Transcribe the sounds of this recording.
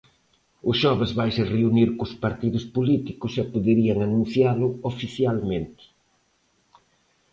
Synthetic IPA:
ʊsʃɔβɪzβajsereuniɾkʊspaɾt̪iðʊspolit̪ikʊsɛpoðeɾiaŋanũn̟θjalʊofiθjalmẽnt̪ɪ̥

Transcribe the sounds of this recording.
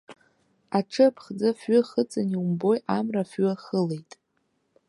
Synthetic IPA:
aʈ͡ʂʰɨpʰχd͡zafɥʊχət͡sʼaniwumbo̞jamrafɥʏχəle̞jtʼ

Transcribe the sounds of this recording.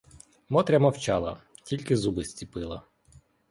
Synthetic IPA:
mɔt̪ɾʲɐmɐwt͡ʃɑlˠɐ̰ | tʲilʲkɪzubɪsʲt͡sʲipɪlˠɐ̰

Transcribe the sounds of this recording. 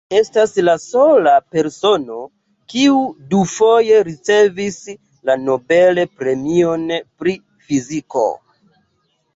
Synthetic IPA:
e̞staslaso̞lape̞ɾso̞no̞ | kiudufo̞je̞ɾit͡se̞vis | lano̞be̞le̞pɾe̞mio̞npɾi | fiziko̞̰

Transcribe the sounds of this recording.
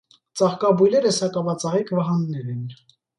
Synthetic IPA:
t͡sɑχkɑbujlɛɾəsɑkɑvɑt͡sɑʁikʰvɑɦɑnːɛɾɛn

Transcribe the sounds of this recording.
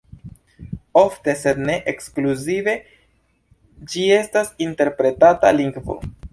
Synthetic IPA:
o̞fte̞se̞dne̞ʔekskluzive̞ | d͡ʒie̞stasinte̞ɾpɾe̞tata̰liŋɡvo̞̰

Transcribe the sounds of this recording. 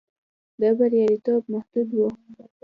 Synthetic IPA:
d̪əbaɾjɑɾit̪ob̚mahd̪ud̪wu

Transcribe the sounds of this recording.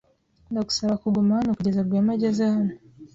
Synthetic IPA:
ndaku̥salakuɡɔmanakuɟazaɡamad͡ʒazana

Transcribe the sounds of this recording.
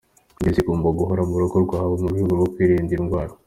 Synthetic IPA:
nizikuːmboɡuɦoɾamuuɾokoɾɡwaːhaβomuɾɡwihuɡuɡokwiːɾiːndinɡwaːɾo

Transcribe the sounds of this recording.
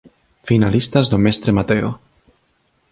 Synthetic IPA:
finalist̪azd̪omest̪ɾemat̪eo̰

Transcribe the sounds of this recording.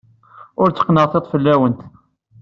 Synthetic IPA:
ʊɾt͡sːə̥qːnəʁθet̪ˤfəlːæwənt̪

